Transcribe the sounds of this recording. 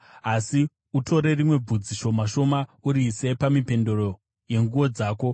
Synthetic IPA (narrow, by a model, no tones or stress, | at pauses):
asi | uto̞ɾe̞rimwe̞b͡vud͡ziʃo̞maʃo̞mauɾiːse̞pamipe̞ndoɾo̞ | je̞ŋɡuo̞d͡zaːko̞